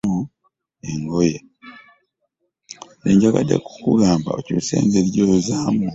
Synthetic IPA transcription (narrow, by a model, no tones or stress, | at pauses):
u | eŋɡoja | neɲɟaka̰dḛku̥kuɡaːmba̰ocusḛːndeɾjozaːmu